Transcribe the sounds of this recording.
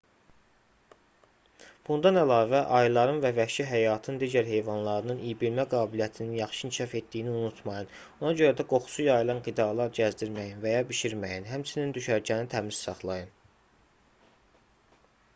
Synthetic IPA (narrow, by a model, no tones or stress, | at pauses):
b̥und̪ɑnælˠɑːvæʔɑjlˠɑɾɯnvævækʃiɦæjɑːt̪ʰɯnd̪iɟæɾɦe̞jvɑnlˠɑɾɯnɯnijibilmæɡɑːbilijæt̪ʰininjɑχʃɯincʰiʃɑfe̞t̪̚d̪ijiniunut̪ʰmɑjɯn | o̞nɑɟø̞ɾæd̪æɡo̞χu̥sujɑjɯlˠɑnɡid̪ɑlˠɑɾɟæzd̪iɾmæjinvæjɑbiʃiɾmæjinɦæmt͡ʃʰinind̪yʃæɾɟænit̪ʰæmiz̥sɑχlˠɑjɯn